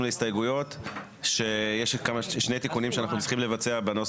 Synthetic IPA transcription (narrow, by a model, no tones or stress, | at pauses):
mleistajeɡujo̞t̪ | ʃe̞jeʃkamaʃnejt̪ikunimʃeanaχnut͡sli̥χimle̞vat͡seabano